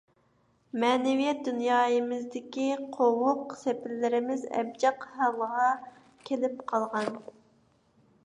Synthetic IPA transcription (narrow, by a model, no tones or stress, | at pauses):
mɛːnɪvijɛt̪̚d̪unjɑːjɨmɪzd̪ɪkʲiqʰowʊqsepɪɾlɪɾɪmɪzɛ̰b̚d͡ʒɑqhɑwʁɑ | kʲʰelɪpqʰɑlˠʁɑn